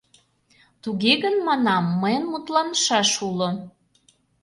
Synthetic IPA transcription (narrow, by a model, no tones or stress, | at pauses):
t̪uɣeɣənmɑnɑmːəjənmut̪lɑnəʃɑʃulŏ